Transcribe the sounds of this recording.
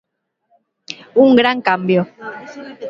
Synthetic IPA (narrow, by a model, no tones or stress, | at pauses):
uŋɡɾaŋkambjo